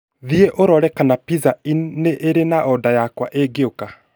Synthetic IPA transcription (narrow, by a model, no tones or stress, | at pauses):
ðieʔoɾɔɾɛkanapizaineʔeɾenaʔɔdajakwaʔeɡeoka